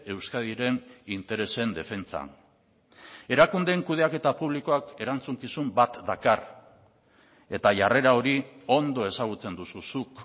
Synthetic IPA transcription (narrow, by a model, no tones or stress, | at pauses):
e̞wskaðiɾe̞nint̪e̞ɾe̞se̞nd̪e̞fe̞nt͡sa̰n | e̞ɾakund̪eŋkuð̞e̞ake̞t̪apuβ̞liko̞ake̞ɾant͡suŋkisumbat̪d̪akar | e̞t̪aʝare̞ɾao̞ɾio̞nd̪o̞e̞saɣ̞ut͡se̞nd̪ususuk